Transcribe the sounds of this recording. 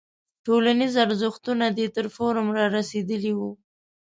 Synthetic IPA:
ʈolanizaɾzəxt̪unad̪et̪əɾfoɾəmɾɑɾased̪əliwu

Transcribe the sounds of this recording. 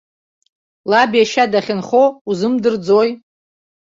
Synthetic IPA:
labijaʃadaχʲɪnχouzɨmdɨrd͡zoj

